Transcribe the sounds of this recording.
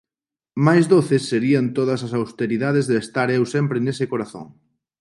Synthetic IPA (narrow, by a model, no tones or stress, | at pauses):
majzðoθesːeɾiant̪oð̞ɐs̬as̬awst̪eɾiðað̞ezðːst̪aɾewsɛmpɾenesɪkoɾaθo̰ŋ